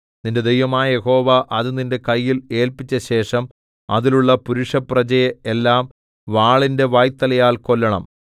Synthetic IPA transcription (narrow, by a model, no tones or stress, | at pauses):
ninde̞d̪ejʋɐmaːjɐje̞ho̞ːʋɐʔɐðuninde̞kɐjːile̞ːlpit͡ɕːɐɕe̞ːʂɐm | ɐ̰ðiluɭːɐpuɾuʂɐprɐt͡ɕɐjeelːaːm | ʋaːɭinde̞ʋaːjt̪ːɐlɐjaːlko̞lːɐɳɐ̰m